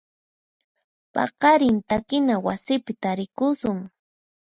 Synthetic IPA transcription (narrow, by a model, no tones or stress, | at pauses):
pɑ̰qɑɾɪnt̪akɪnawasɪpɪt̪aɾɪkʊsʊŋ